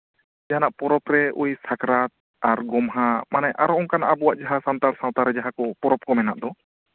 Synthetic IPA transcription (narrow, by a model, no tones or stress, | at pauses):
d͡ʒaɦanaʔpɔɾɔpɾɛʔujsakɾat̪̚ | aɾɡɔmɦamanajʔa̰ɾɔɔŋkanaʔabuwaʔd͡ʒaɦasant̪aɾsãwt̪aɾɛd͡ʒaɦakɔpɔɾɔp̚kɔmɛnaʔd̪ɔ